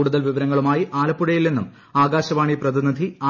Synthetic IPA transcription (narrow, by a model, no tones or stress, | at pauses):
uːɽuðɐlʋiʋɐɾɐŋːɐɭumaːjiʔaːlɐpːuɽɐjilːenːum | aːɡaːɕɐʋaːɳiprɐðinid̪ʱiaː